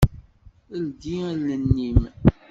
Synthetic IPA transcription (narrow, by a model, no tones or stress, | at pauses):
əld̪ilənːim